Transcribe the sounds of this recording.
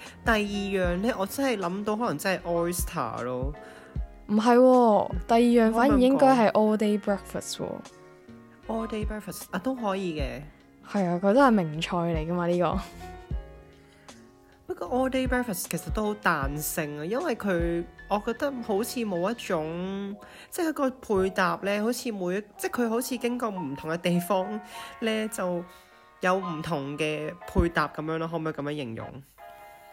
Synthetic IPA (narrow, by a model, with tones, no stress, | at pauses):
t̪ɐ˨jːiː˨˧jœː˨˩ŋlɛ˦˥ʔɔː˨˧t͡sɐ˥nhɐ˨jlɐ˨˥mt̪o˧wɦɔː˨˥lɐ˨˩ŋt͡sɐ˥nhɐ˨jʔɔː˦˥st̪ʰa̰ː˨˩lɔː˧ | m̩˨˩ɦɐ˨jwɔː˧t̪ɐ˨jiː˨jœː˨˧ŋffaː˨˥nji˨˩jɪ˥ŋkɔː˥jɦɐ˨jʔɔː˥t̪e˥jpɹɛː˥k̚fɐ̰˨˩stwɔ̰ː˧ | ʔɔː˥t̪e˥jpɹɛː˥k̚fɐ˨˩saː˧t̪o˥wɦɔː˨˥jiː˨˧kɛː˧ | hɐ˨˧jaː˧kʰɵ˨˧ɥt̪hɐ˨jmɪ˨˩ŋt͡ʃʰɔː˧jle˨˩jkɐ˥maː˧liː˥kɔ̰ː˧ | pɐ˥kːɔː˧ʔɔː˧de˥pɛː˥fɐ˨˩skʰe˨˩sɐ˨t̚t̪ːo˥who˨˧˥wt̪aː˨nsɪ˧ŋɐː˧jɐ˥nwɐ˨˩jkʰɵ˨˧ɥɔː˨˧kɔː˧k̚t̪ɐ˥k̚ho˨˥wt͡sʰiː˨˧mo˨˧wjɐ˥t̚t͡ʃʊ˨˥ŋ | t͡sɛ˥kʰɵ˨˧kɔː˧pʰuː˧jt̪aː˨p̚lɛː˥ho˨˥wt͡sʰiː˨˧muː˨˧jɐ˥t͡sɛ˥kʰɵ˨˧ɥɦo˨˥wt͡sʰiː˨˧kɪ˥ŋkɔː˧m̩˨˩t̪ʰʊ˨˩ŋkɛ˧t̪e˨jfɔː˥ŋlɛː˥t͡sɐ˨w | jɐ˨˧wm̩˨˩t̪ʰʊ˨˩ŋkɛː˧pʰuː˧jt̪aː˨p̚kɐ˨˥mjœː˧˥ŋlaː˧ɦoː˨˥mo˨˧jkɐ˧mjœː˧˥ŋjɪ˨˩ŋjʊ̰˨˩ŋ